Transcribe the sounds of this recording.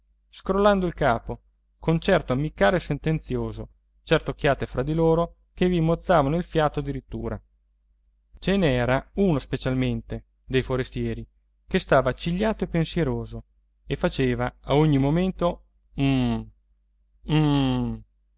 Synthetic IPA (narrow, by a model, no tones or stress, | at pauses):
skɾolːand̪oilkaːpo | kʰont͡ʃɛrt̪oamːikːaːɾesent̪ent̪sjoːzo | t͡ʃɛrt̪ok̟ːjaːt̪efɾad̪ːiloːɾo | kevimːot̪sːaːvanoilfjaːt̪oad̪ːiɾit̪ːṵːɾa̰ | t͡ʃenɛːɾauːnospet͡ʃalment̪e | d̪ejfoɾest̪jɛːɾi | k̟est̪aːvat͡ʃiʎːaːt̪oepːensjeɾoːzo | efat͡ʃeːvaaoɲːimoment̪o